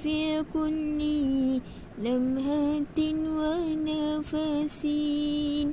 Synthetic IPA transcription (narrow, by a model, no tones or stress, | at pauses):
fikʊlːi | lamɦat̪ɪnwanafasin